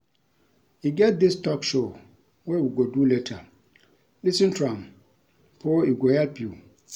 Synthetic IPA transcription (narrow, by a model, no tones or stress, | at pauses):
jiɡɛt̚dɪstʰɔkʃo | wɛwiɡodulɛtʰa | lisĩntʰɹãm | pʰɔiɡohɛlpju